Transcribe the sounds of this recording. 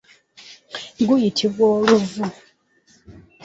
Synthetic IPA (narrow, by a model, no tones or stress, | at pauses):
ŋɡujitʰivwɔɾuvu